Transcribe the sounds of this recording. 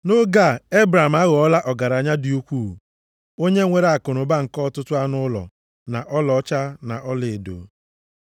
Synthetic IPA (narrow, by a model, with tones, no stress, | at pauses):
no˦ɡa˦˨e˦bɾa˨m̩a˦ɣɔ˨ɔ˦la˦ʔɔ˨ɡa˨ɾa˨ɲa˦dɪ˨u˦kʷu˦˨ | o˦ɲe˦ŋʷe˦ɾa˨kʊ˨nʊ˨ba˦ŋ̩˨kɔ˦˨tʊ˦tʊ˦a˦nʊ˦lɔ̰˨ | na˨ʔɔ˦lɔ˨˦t͡ʃa˦na˨ʔɔ˦lɪ˨do̰˨